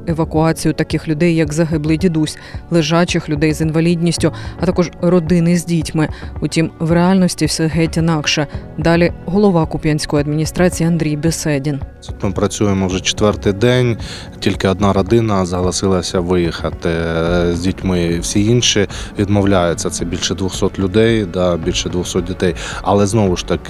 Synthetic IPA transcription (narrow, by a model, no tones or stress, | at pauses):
eʋɐkʊɑt͡sʲijʊt̪ɐkɪxlʲʊd̪ɛjːɐkzɐɦɪblˠɪjdʲid̪usʲ | lˠɪʒɑt͡ʃɪxlʲʊd̪ɛjzinʋɐlʲidʲnʲisʲtʲʊɐt̪ɑkɔʒrɔd̪ɪnɪzʲdʲitʲmɪʊtʲimwreɑlʲnɔsʲtʲiwsʲɛɦɛtʲinɑkʃɛd̪ɑlʲiɦɔlˠɔʋɑkʊpʲjʲanʲsʲkɔjɐd̪mʲinʲist̪ɾɑt͡sʲijiɐnd̪ɾʲijbesɛdʲint̪ut̪mɪpɾɐt͡sʲujemɔwʒɛt͡ʃɪ̥t̪ʋɛrt̪ɪjd̪ɛnʲ | tʲilʲkɪɔd̪nɑɾɔd̪ɪnɐzɐɦɐlˠɐsɪlˠɐsʲɐʋɪjixɐt̪ɪzʲdʲitʲmɪw̥sʲiinʃiʋʲid̪mɔwlʲajet͡sʲːɐt̪sɛbʲilʲʃɛd̪ʋʊxsɔt̪lʲʊd̪ɛjd̪ɐbʲilʲʃɛd̪ʋʊxsɔt̪̚dʲit̪ɛjɐlˠɛznɔʋʊʃt̪ɐkɪ̥